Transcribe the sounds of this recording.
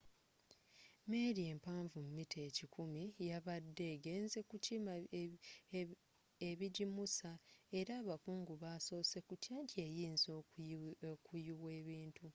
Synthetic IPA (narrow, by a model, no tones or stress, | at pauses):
me̞ːɾie̞ːmpaːɱvumumitʰeːcikʰumijaβadːe̞ːɡe̞ːnze̞kucima | eβiɟimusae̞ɾaːβafuːŋɡuβaso̞ːse̞kutjaːncie̞jiːnzo | kujiwe̞ːβiːntu